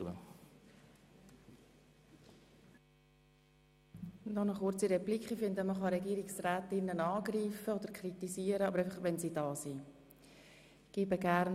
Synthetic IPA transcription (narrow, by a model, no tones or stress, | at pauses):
ə̰ | nɔnəχʊɾt͡siɾɛplikχifɪnd̪əməχɑɾɛɡiːɾɪksræːt̪ɪnːənɑːɡriːfəod̪əɾkʰrit̪isiːəɾəɑbəɾɛɪfɑχʋɛnsiːd̥ɑːsiː | ɡ̥ibəɡæɾn